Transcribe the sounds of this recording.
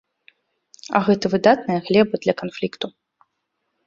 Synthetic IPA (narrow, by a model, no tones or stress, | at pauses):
ɐ̰ɣɛt̪ɐvɨd̪at̪̚nɐjɐɣlʲɛbɐd̪lʲɐkanflʲikt̪u